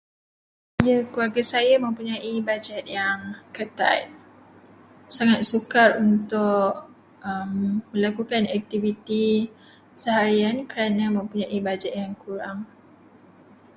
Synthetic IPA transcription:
ijakuaɡasajamə̃mpuɲãibad͡ʒɛt̪̚jaŋkət̪a̰t̪̚ | saŋat̪̚sukarunt̪ʊʔ | əmːə̃lakukanɛk̚t̪ivit̪i | səɦaɾiankəɾanãmə̃mpuɲãʔibad͡ʒɛt̪̚jaŋkuɾaŋ

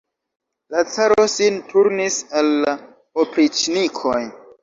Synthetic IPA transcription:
lat͡saɾo̞sintʰuɾnisalːa | opɾit͡ʃnikʰo̞j

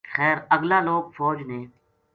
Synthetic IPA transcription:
xɛːɾəɡlaːloːɡfɔːd͡ʒnẽː

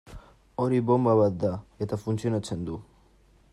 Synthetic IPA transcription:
oɾibombaβat̪̚d̪aet̪afunt͡sionat͡send̪u

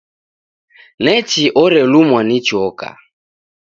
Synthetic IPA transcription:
nɛt͡ʃiʔɔɾɛlumwanit͡ʃɔka̰

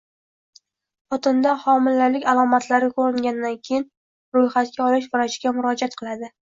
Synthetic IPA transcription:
χɒt̪ɪnd̪aχɒmɪlːalɪkʲalˠɒmat̪ʰlaɾɪkʰoɾɪŋɡʲanɪd̪ankʲʰejɪn | ɾojχat̪̚kʲaɒlɪʃ̬vʊɾaʃɪɡʲamʊɾɒd͡ʒat̪̚qʰɨlˠad̪ɪ

